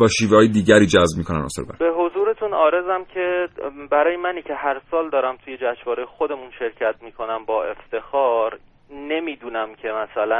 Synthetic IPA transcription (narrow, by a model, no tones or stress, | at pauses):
bɒːʃiːvehːjed̪iːɟæɾiːd͡ʒæzbmiːkʰonæ̰nɒ̰seɾbæ̰ɾbe̞ɦozuːɾe̞t̪ʰunɒːɾe̞zæmcʰebæɾɒːjemæniːcʰe̞ɦæɾsɒːld̪ɒːɾæmt̪ʰuje̞d͡ʒæʃvɒːɾejexo̞d̪e̞munʃe̞ɾcʰæt̪̚ʰmiːkʰo̞næmbɒːe̞ft̪e̞xɒːɾ | ne̞miːd̪uːnæmcʰe̞mæsælæn